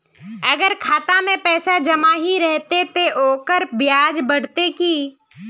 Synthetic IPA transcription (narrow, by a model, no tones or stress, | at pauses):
ɐɡəɾkʰaːt̪amẽpɛːsad͡ʒɐmaɦiɾɛɦt̪et̪eʔoːkəɾbjaːd͡ʒbɐɽ̤t̪ekiː